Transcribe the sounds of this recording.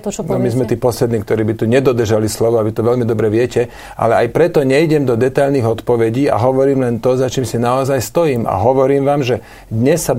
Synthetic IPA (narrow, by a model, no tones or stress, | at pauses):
nɔmizmɛt̪iːpɔslɛd̪niːkt̪ɔɾiːbit̪uɲɛd̪ɔd̪r̩ʒalislɔʋɔaʋit̪ɔʋɛʎmid̪ɔbɾɛʋɪɛcɛ | ʔa̰lɛajpɾɛt̪ɔɲɛiɟɛmd̪ɔd̪ɛt̪aʎniːɣɔt̪pɔʋɛɟiːa̰ɦɔʋɔɾiːmlɛnt̪ɔzat͡ʃiːmsinaɔzajst̪ɔjiːma̰ɦɔʋɔɾiːmʋaːmʒɛ | d̪ɲɛsːa